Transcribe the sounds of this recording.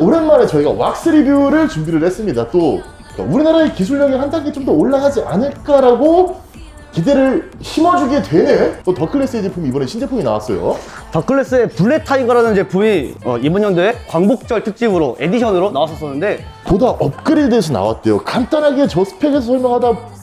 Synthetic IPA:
uɾenmaɾe̞t͡ɕʌiɡa̰wa̰k̚s͈ɯɾibiuɾɯɭt͡ɕumbiɾɯɭhe̞s͈ɯmɲidat͈o | k͈a̰uɾinaɾaekis̬ʰuɭːʌɡehandaŋɡet͡ɕomdʌoɭːaɡad͡ʑiʔanɯɭk͈aɾaɡo | kide̞ɾɯɭçimad͡ʑuɡe̞twe̞nɯnt͈otʌkʰɯɭːe̞s͈ɯed͡ʑepumiibʌneɕʰind͡ʑepʰuɡina̰was͈ʌjo̰tʌkʰɯɭːe̞s͈ɯe̞puɭːe̞tʰaiɡaɾanɯnd͡ʑe̞pumiʌibʌnɲʌndoe̞kwaŋbok̚t͡ɕ͈ʌɭtʰɯk̚t͡ɕ͈ibɯɾoʔe̞diɕʰʌnɯɾonawasʰʌs͈ʌnːɯnde̞podaʔʌp̚k͈ɯɾidesʰʌna̰wa̰t̚t͈e̞jokant͈anɦaɡe̞t͡ɕʌsʰɯ̥pʰeɡesʰʌsʰʌɭmjʌŋɦada

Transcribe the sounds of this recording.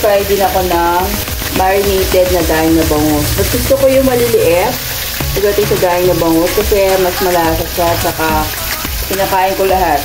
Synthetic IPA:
pajd̪ɪŋɐko̞nɐŋ | maɾɪnejt̪ɛd̪̚nɐɡaːʔɪŋnɐbɐŋot̪̚mɐsɡʊst̪okojʊŋmɐlɪlɪʔɛp̚ | pɐɡ̚d̪ɐt̪ɪŋsɐɡaːʔɪŋnɐbɐŋot̪̚kɐsɛmɐsmɐlaːsɐʃaɐt̪t͡ʃʃɐka | kɪnɐːkaːʔɪnkolɐɦat̪̚

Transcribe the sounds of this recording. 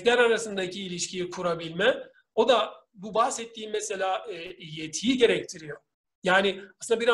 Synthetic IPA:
lʲæɾaɾasɯnd̪acʰiːlʲiʃcʰijɛkʰuɾabilʲmɛ | o̞d̪a | bubahsɛt̪ʰːiːnmɛse̞lʲaːjet̪ʰijiɟe̞ɾɛc̚t̪ʰiɾijo̞ | jaːnɪasɯnabiɾa

